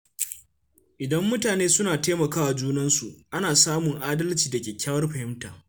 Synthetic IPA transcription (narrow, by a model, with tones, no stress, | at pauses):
ʔɪ˨dɐ˦mːʊ˦taː˨neː˦sʊ˦naː˨teː˦mɐ˨kaː˦wa˨d͡ʒuː˦nɐ˦nsu˨ʔʔa˦naː˨saː˦mʊ˨ŋʔaː˦dɐ˦lt͡ʃiː˨dɐ˨kʲeː˨kʲaː˦wɐ˦rɸɐ˨hɪ˦mtaː˨